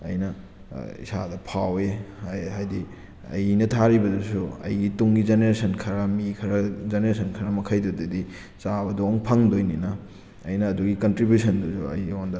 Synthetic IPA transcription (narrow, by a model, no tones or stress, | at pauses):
ɐ̰jnɐ̰ | ḭsa̰dɐpʰaweɦajdi | ɐ̰jnɐtʰaɾibɐdusuɐ̰jɡituŋɡizeneɾesɐnkʰɐɾɐmikʰɐɾɐzeneɾesɐnkʰɐɾɐmɐkʰɐjdodɐdi | sabɐdoŋpʰɐŋdojninɐː | jnɐːduɡikɐntɾibjusɐnduzṵɐ̰jondɐ